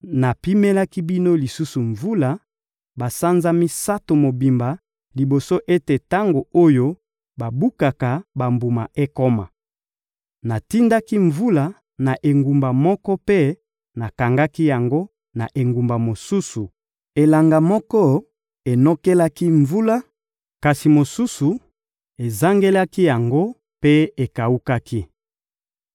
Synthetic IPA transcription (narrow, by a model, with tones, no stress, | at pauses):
na˨pi˦mɛ˦la˦ki˦bi˦no˦li˨su˦su˨ɱvu˦la˨ | ba˨sa˦nza˦mi˦sa˦to˨mo˨bi˨mba˨ | li˨bo˨so˦ʔe˦te˨ta˦ŋɡo˨o˦jo˦ | ba˨bu˦ka˨ka˨ba˨mbu˨ma̰˨ʔe˦ko˦ma̰˨ | na˨ti˦nda˦ki˦ɱvu˦la˨ | na˨ʔe˨ŋɡu˨mba˨mɔ˦kɔ˦pe˦ | na˨ka˨ŋɡa˦ki˦ja˨ŋɡo˦ | na˨ʔe˨ŋɡu˨mba˨mo˨su˦su˨ | e˨la˨ŋɡa˨mɔ˦kɔ˦ | e˨nɔ˦ke˦la˦ki˦ɱvu˦la˦ | ka˨si˨mo˨su˦su˨ | e˨za˦ŋɡe˦la˦ki˦ja˨ŋɡo˦ | pe˦e˨ka˨u˦ka˦ki˦